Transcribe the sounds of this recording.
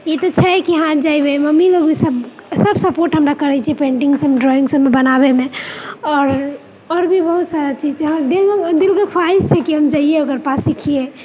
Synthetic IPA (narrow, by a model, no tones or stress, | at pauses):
jet̪ɔt͡ʃʰɛɦɛkiɦãd͡ʒaibeməmiloɡʱisəbsəbsəpoɾʈɦəmɾakəɾɛt͡ʃʰiepẽɳʈiŋɡsəmːeɖɾɔĩŋɡsəbːebənabemẽɔːɾ | ɔːɾbʱibəɦut̪saɾat͡ʃid͡ʒɦãd̪ild̪ilkəkʰaist͡ʃʰɛkiɦəmd͡ʒaieoɡəɾpasikʰie